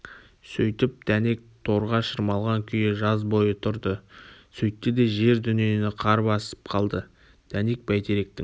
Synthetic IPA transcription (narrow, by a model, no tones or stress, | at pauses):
sɵjt̪ɪp̚d̪̥æne̞k̚t̪ʰo̞ɾʁɑʃəɾmɑlˠʁɑŋkʲʰʏjɪʒɑzbo̞jət̪ʰʊɾd̪əsɵjt̪ːɪd̪e̞ʒe̞ɾd̪ʏnienɪqʰɑɾəpɑsə̥p̚qʰɑlˠd̪ə | d̪̥æne̞k̚bæjt̪ʰeɾe̞k̚t̪ɪ